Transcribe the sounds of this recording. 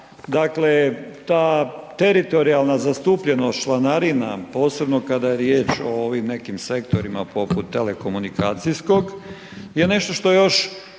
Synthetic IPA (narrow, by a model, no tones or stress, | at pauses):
d̪akle̞t̪aːt̪eɾit̪o̞ɾialˠnazast̪uːpʎe̞noʃlˠanaɾina̰po̞ːse̞bno̞kad̪ajeɾjeːt͡ʃooʋimne̞kimse̞kt̪o̞ɾimapʰo̞put̪ːe̞leko̞munikaːt̪sijsko̞ɡ | je̞ne̞ʃt̪o̞ʃt̪o̞ejo̞ʃ